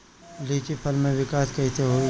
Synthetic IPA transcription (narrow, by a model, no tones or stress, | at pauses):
liːt͡ʃipʰɐlmẽʋɪkaːskɐɦit̪ʰeɦoi